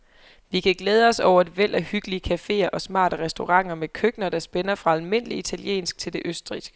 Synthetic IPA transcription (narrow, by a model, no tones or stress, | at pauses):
ʋikʰæɡ̥leːð̞ˠəɒ̽sɒʊ̰ɐe̝d̥ʋel̰ʔæhyɡ̥əliəkʰæfe̝̰ːɐʔɒ̽smɑ̰̈ːɾ̥əʁɛsd̥o̝ʁɑ̈ŋ̰ɐmekʰøɡ̥nɐd̥ɑ̈sb̥enɐfʁɑ̈ælme̝n̰əliit͡sʰæljḛːnsɡ̥̚t͡sʰe̝ld̥e̝ʔøsd̥ʁisɡ̥ə